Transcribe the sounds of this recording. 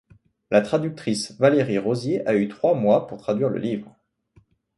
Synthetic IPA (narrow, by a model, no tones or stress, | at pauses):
lat̪χad̪yk̚t̪χisvaleʁiʁozjeʔayt̪χwamwapuʁt̪χad̪ɥiʁlə̰livʁ